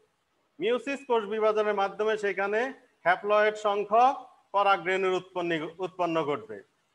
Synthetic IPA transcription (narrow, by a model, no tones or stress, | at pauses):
miusiskoɾd͡ʑbiβad͡ʑoneɾmad̪ʱːomeʃejkʰane | hɛplɔeʈʃɔŋkʰɔ | kɔɾaɡɾeneɾponːiut̪̚ponːoɡoɾ̚bḛ